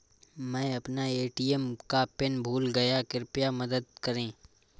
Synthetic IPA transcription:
mɛ̃ːɐpnaeːʈiːemkapɪnbʱuːlɡɐjakɪɾpɪjamɐd̪əd̪̚kɐɾẽː

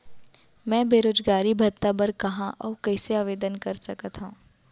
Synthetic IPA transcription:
mɛ̃ːbeːɾoːd͡ʒɡaːɾibʱɐt̪ːabɐɾkɐɦãʔɔːɾkɛːseaːʋeːd̪ənkɐɾsɐkət̪ɦũː

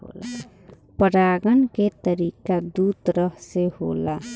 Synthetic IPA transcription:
pʌɾaɡʌnket̪ʌɾikad̪ud̪ɾʌɦseho̰la

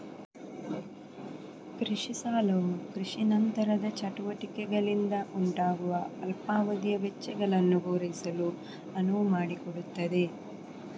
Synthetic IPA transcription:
kɾiʂisaːlɐʋukɾiʂinɐnt̪ɐɾɐd̪ɐt͡ʃɐʈuʋɐʈikɛɡɐɭind̪ɐʔuɳʈaːɡuʋɐɐlpaːʋɐd̪jɐʋɛt͡ʃːɐɡɐɭɐnːuɡoːɾiːsɐlu | ɐnuʋmaːɽikoɽut̪ːɐd̪e̞

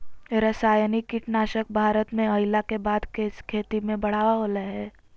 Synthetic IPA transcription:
ɾəsaːjənikːiʈnaːʃək̚bʱaːɾət̪mẽɐɪlakebaːd̪keskʰeːt̪imẽbɐɽ̤aːʋaɦoːlaɦɛː

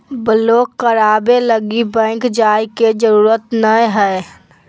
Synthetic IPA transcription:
bəloːkəɾaːbeləɡibɛ̃ːŋkd͡ʒaːiked͡ʒəɾuːɾət̪nəjɦɛe

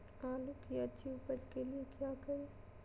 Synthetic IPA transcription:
aːlukiɐtːʃʰiupəd͡ʒkeliekjakɐɦe

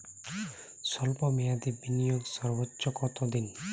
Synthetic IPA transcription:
sɔlpɔmijad̪ibinijoɡsɔɾbɔtːʃɔkɔt̪ɔd̪in

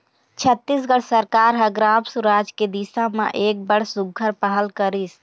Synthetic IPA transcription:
t͡ʃʰət̪ːis̬ɡəɽ̤səɾkaːɾɦəɡɾaːbsuɾaːd͡ʒked̪isamḛ̃ʔeːk̚bəɽsuɡʱəɾpəɦəlkəɾis

